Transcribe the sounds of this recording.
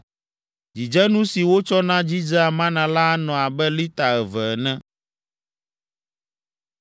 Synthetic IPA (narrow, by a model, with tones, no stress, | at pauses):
d͡ʑi˨d͡ʒɛ˦nũ˦si˨wo˦t͡ʃɔ˦nã˦d͡ʑi˦d͡ʒa˦a˨mã˦nã˨la˦nɔ̃˨a˨bɛ˦li˦t̪a˨ɛ˨vɛ˨nɛ̃˦